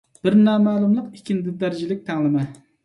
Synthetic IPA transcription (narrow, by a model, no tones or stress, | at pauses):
b̥ɪɾnɑːmæːlˠumlˠəqikʲʰind̪ɪd̪æɾd͡ʒilɪk̚ʲt̪ʰæŋlˠɨmɪ